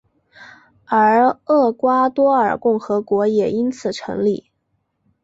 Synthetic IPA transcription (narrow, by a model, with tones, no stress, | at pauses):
ə˞˧˥ɤ˥˩kwa˥t̪wɔ˥ə˞˨˩kʊ˥˩ŋxɤ˧˥kwɔ˧˥jɛ˨˩i˥nt͡sʰɹ̩˨˩ʈ͡ʂʰɤ˧˥ŋli˥˩